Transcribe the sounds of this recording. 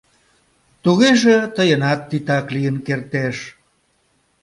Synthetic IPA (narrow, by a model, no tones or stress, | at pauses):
t̪uɣeʒet̪əjənɑt̪ːit̪ɑklijənkert̪eʃ